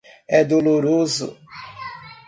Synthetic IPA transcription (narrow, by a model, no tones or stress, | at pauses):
ɛd̪oloɾozʊ̰